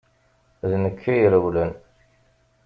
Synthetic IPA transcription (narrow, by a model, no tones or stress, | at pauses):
ðnəkʰːijəɾəwlən